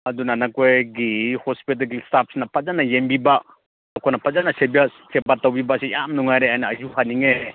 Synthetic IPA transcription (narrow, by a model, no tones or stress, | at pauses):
adunanakejɡihɔspit̬akilistap̚ʰsinapazanajembibaʔ | akʰɔnapʰazanasebijasebatːawbibaʔ̚sijamnuŋajɾeajnaazuhaniŋe